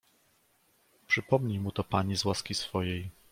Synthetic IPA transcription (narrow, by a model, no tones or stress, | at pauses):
pʂɘpɔmɲimut̪ɔpaɲizwaskʲisfɔjej